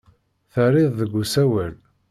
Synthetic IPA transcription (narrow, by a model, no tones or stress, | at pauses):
θərɪðˤðəɡʷːusæwæl